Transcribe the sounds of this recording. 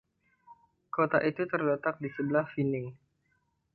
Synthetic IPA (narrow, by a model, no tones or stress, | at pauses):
kot̪a̰ʔit̪ut̪ərdat̪ak̚disəbəlahfinɪŋ